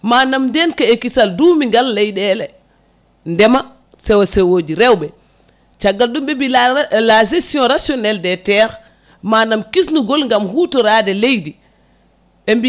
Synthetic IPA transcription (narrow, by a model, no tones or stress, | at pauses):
manamdɛnkaekisalduːmiŋɡalːejɗɛlɛ | ndɛma | sɛwasɛwoːd͡ʒiɾɛwbɛ | t͡ʃaɡːalɗumɓɛbilasesiɔ̃ɾasjɔnɛldɛtɛɾ | manamkisnuɡɔlŋɡamhutɔɾaːdɛlejdi | ɓɛmbi